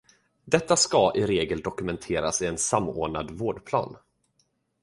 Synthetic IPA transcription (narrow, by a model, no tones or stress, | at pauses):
d̪ɛt̪ːaskaʔɪɾeːɡəld̪ɔkɵmɛnt̪ʰeːɾa̰sɪɛnsamːoːɳad̪voːɖpʰlɑ̰ːn